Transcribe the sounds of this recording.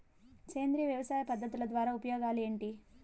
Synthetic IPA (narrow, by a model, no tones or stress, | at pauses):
keːnd̪ɾiːʋjɐʋɐsaːjɐpɐd̪ʱːɐt̪ːulɐd̪ʋaːɾaːupɐjoːɡaːle̞ːɳʈi